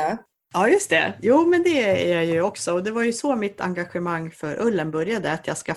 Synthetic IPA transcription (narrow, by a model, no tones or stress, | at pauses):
ɑːjɵst̪ɛ̰juːmɛnd̪ɛæ̰ɾjajɵɔksɔɔd̪ɛvaɾjɵsɔmɪt̪ʰːa̰ŋɡaɧɛmaŋːfœɾʔɵlːənbœɾjad̪əat̪jɑːska